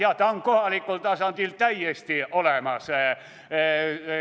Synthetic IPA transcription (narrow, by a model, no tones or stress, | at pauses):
jɑt̪ɑŋkohɑˑlikːolt̪ɑːˑsɑnt̪iːlt̪æijest̪iolemɑs